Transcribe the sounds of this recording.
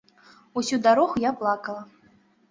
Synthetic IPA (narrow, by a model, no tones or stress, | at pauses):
usʲud̪aɾɔɣujaplˠakɐlˠɐ